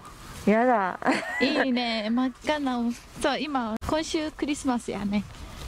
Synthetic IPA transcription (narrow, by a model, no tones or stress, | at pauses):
jad̪aiːnemakkanːa | soːimakõɰ̃ɕɨːkɯ̟ɾʲisɨmasɨja̰ne